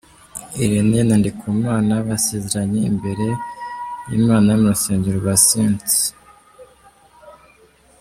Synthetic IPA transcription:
iɾenenandikʰuːmaːnaβaseːzeɾaɲeḭmbe̞ɾe̞ | jimaːnajumuɾuseːɲɟuɾuβasiːnt͡si̥

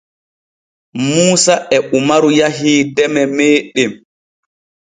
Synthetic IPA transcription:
muːsaʔɛʔumaɾujaɦiːtɛmɛmeːɗɛm

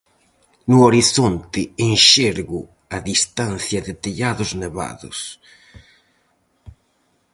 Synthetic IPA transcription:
nʊoɾiθont̪ɪenʃeɾɣʊ | aðist̪anθjɐðɪt̪eʎaðʊzneβa̰ðʊ̰s

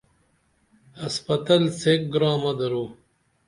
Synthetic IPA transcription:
hɐspɐt̪ɐlsek̚ɡɾɑːmɐd̪ɐɾuː

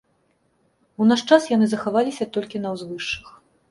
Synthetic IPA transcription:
unaʂt͡ʂasjanɨzɐxavalʲisʲɐt̪ɔlʲkʲinɐwzvɨʂːɨx

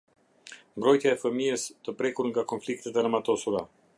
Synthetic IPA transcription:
mbɾɔjt̪jaɛfəmiɛst̪əpɾɛkuɾŋɡakɔnflik̚t̪ɛt̪ɛaɾmat̪ɔsuɾa̰

